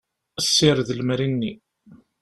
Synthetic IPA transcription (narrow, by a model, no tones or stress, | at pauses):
sːɪɾðlmɾinːi